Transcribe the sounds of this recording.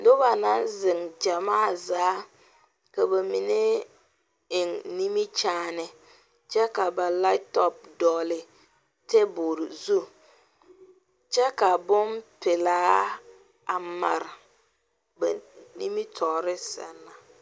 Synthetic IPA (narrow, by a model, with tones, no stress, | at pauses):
dʊ˦ba˨na˦nzɪ˨ŋd͡ʒa˨maː˦˨zaː˨˦ | ka˨ba˨mi˨ne˦ | ɪ˨ŋni˦mi˦t͡ʃaː˦nɪ˨ | t͡ʃɛ˦ka˨ba˨la˦tɔ˦p̚dɔː˨lɪ˨ | te˦bo˨ɾɪ˨zu˦ | t͡ʃɛ˦ka˨bʊ˦npɪ˨laː˦ | a˨ma̰˨ɾɪ˨ | ba̰˨ni˦mi˦tʰɔ˨ɾɪ˦sɛ̰˨nːa˨